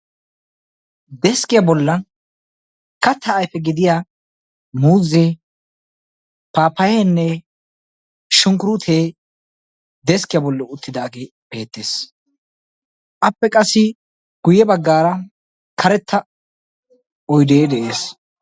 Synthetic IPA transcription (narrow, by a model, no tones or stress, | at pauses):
d̪ɛskɪjɐbɔlːɐn | kɐt̪ʰːɐːjfɛɡɪd̪ɪja | muːze | paːpːɐjɛnːɛ | ʃʊŋkʊɾut̪ʰeː | d̪ɛskɪjɐbɔlːɔʊt̪ːɪd̪aːɡe | b̥e̞ːt̪ːeːs | ʔɐpːɛkʼɐsːɪ | ɡ̥ʊjɛbɐɡːaːɾɐ | kʰɐɾɛt̪ʰːɐ | ɔjd̪eːd̪ɛʔe̞ːs